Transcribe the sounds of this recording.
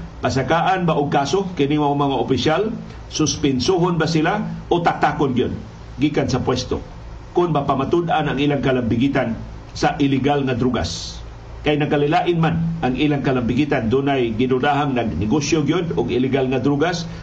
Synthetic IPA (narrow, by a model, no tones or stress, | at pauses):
pas̬akaʔanbaʔʊɡ̚kaːsokɪnɪŋmaomɐŋaʔopɪsjal | sʊspɪnsoɦonbasɪlaʔot̪ak̚t̪akonɡɪjod̪̚ | ɡikansɐpwɛst̪o̰ | kʊnmapamat̪ʊd̪ʔanaŋiːlaŋkɐlambɪɡiːt̪an | saʔɪlɪɡalŋad̪ɾuɡa̰s | kajnɐkalɪlaʔɪnmanʔaŋʔilaŋkɐlambɪɡiːt̪and̪unajɡɪnʊd̪aɦaŋnaɡ̚nɛɡosjoɡjod̪ʊɡɪlɪɡalŋad̪ɾuɡas